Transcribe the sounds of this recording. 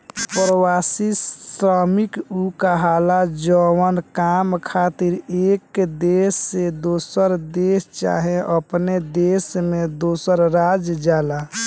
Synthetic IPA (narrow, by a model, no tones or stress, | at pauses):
pɾəwasisɾəmikukaɦalad͡ʒɔwənkamkʰat̪iɾekd̪esːed̪osəɾd̪est͡ʃa̰ɦẽʔəpned̪esmed̪osəɾɾad͡ʒd͡ʒala